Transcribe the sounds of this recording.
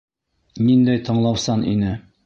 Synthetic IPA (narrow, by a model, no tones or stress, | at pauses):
nind̪æjt̪ɤ̆ɴlˠɑwsɑnḭnɘ